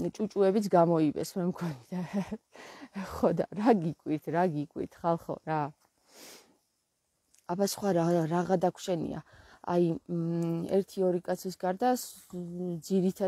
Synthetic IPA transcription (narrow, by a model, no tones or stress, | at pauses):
t͡ʃʼut͡ʃʼuɛbit̪sʰɡamɔibɛ̰smɛmɡʰɔnid̪a | χɔd̪aɾaɡikʼwiɾt̪ʰɾaɡikʼwḭɾt̪ʰχalˠχɔ̰ɾa | abasχwaɾaɾaʁad̪akʰʃɛnḭa̰a̰j | ɛ̰ɾt̪ʰiɔɾikʼat̪sʰisɡaɾd̪as | d̪ziɾit̪ʰa